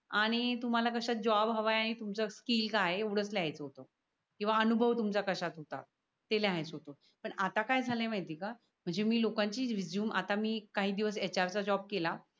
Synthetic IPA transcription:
aɽ̃it̪um̤alakəɕat̪̚d͡ʑɔbɦəʋajaɽ̃it̪umt͡səskiːlkaɦeuɽəsleɦajt͡səɦot̪o | kĩw̃ʋaənubʱəʋt̪umt͡sakəɕat̪ɦot̪a̰t̪̚ː | eleaɦejt͡sɦot̪o | pəɳat̪akajd͡zʱalẽmajt̪iːka | m̤əɳd͡zemiːlokãɲt͡ɕiːʋid͡ʑjuːma̰t̪amiːkaɦiːd̪iʋəs̬et͡ɕaɾt͡sad͡ʑɔb̚kela

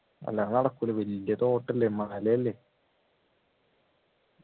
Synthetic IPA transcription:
ɐ̰lːanɐɽɐkːulɐʋɐlijɐt̪o̞ːʈːɐlːemaɳɐlːejɐlːeː

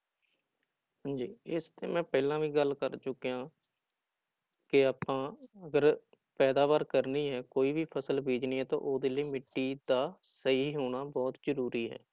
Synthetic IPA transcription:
ɦãɲd͡ʒiːɪst̪ḛːmɛ̃ːpɛːlãːʋiːɡəlkəɾt͡ʃʊkːejãː | kɪaːpːãːəɡəɾ | pɛːd̪aːʋaːɾkəɾniːɦɛːkoːiːbiːpʰəsəlbʱeːd͡ʒniːɦɛːt̪ã̰ːʔoːd̪eːliːmɪʈːiːd̪aː | səiːɦoːɽ̃aːbɔːt̪zəɾuːɾiːɦɛ̰ː

